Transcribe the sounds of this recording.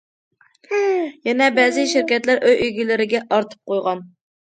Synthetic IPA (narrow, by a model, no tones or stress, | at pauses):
jɛnɛbɛzɪʃɪɾkʲɛt̪læɾʔøjʔøjɡʲilɪɾɪɡʲɛʔɑɾt̪ʰɨ̥p̚qʰojʁɑn